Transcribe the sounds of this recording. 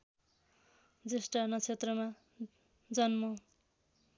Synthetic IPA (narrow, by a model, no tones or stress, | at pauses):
d͡zesʈanʌt͡sʰet̪rʌma | d͡zʌnmʌ